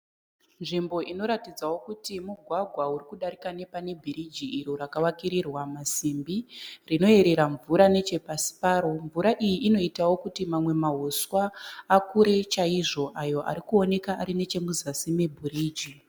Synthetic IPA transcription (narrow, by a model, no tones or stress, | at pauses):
nʐimbo̞ʔino̞ɾatid͡zawo̞kutimuɡʱwaɡʱwauɾikuɗaɾikane̞pane̞bʱiɾid͡ʒiiɾoɾakawakiɾirwamasimbirino̞e̞ɾe̞ɾaɱvuɾane̞t͡ʃe̞pasi̥paːɾo̞ɱvuɾaʔijiʔːno̞itawo̞kutimamwe̞maɦuswaːkuɾe̞t͡ʃaiʐo̞ʔajo̞ʔa̰ɾikuo̞ne̞kaːɾine̞t͡ʃe̞muzasime̞bʱuɾiːd͡ʒi